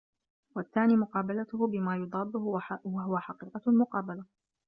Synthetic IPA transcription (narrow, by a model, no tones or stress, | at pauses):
waθːaːniːmʊqɑːbalat̪ʊhbɪmaːjʊd̪ˤɑːd̪ːʊhwaɦʊwaħɑqiːqɑlmʊqɑːbala